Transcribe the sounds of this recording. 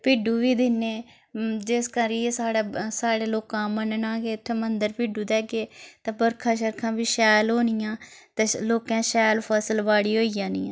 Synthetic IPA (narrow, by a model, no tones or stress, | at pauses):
piːɖuːʋiːd̪ɪneː | d͡ʒeskəɾiːeːsaːɽaːsaːɽeːloːkãːmənənãːkeːt̪ʰːeːmənd̪əɾpiːɖuːd̪ɛːɡeːt̪ãːbəɾkʰãːʃəɾkʰãːbiːʃɛːlɦoːnɪjãːt̪eːloːkãːʃɛːlpʰəsəlʋaːɽiːɦoːijãːnḭːãː